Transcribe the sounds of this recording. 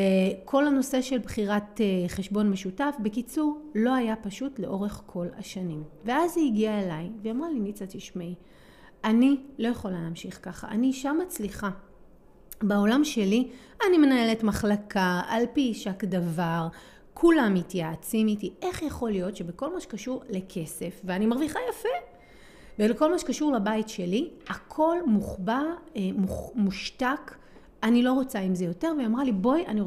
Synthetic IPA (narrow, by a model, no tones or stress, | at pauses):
ekʰo̞lano̞se̞ʃe̞lbχiʁateχeʃbo̞nme̞ʃutafbekit͡suʁlo̞ajapaʃutle̞ʔo̞ʁe̞χkʰo̞la̰ʃanimve̞aziiɡiaelajveamʁalinit͡sat̪iʃmei | anilo̞jaχo̞lalaːmʃiχkaχa̰ʔa̰niʃamat͡sliχa | bao̞lamʃe̞li | anime̞nae̞letmaχlakʰaalpiʃakdavaʁ | kʰulamitjat͡sinitiʔe̞χjaχo̞ljo̞tʃebeko̞lmaʃe̥kaʃuʁle̞kʰe̞se̞fveanimaʁviχajafe | beleko̞lmaʃe̥kaʃuʁlabaitʃeliakʰo̞lmuχbamuχmuʃtak | anilo̞ʁot͡saimzejo̞te̞ʁveamʁalibojani